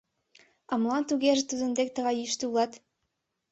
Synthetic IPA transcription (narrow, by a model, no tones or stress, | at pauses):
ɑmlˠɑnt̪uɣʲeʒĕt̪ud̪ɤ̆nd̪ek̚t̪ɤ̆ʁɑjyʃt̪ɘulˠɑt̪